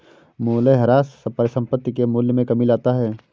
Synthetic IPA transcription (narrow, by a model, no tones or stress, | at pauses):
moːleɦɐɾaːsːɐpəɾsɐ̃mpət̪ːikemʊljəmẽkɐmilaːt̪aɦɛː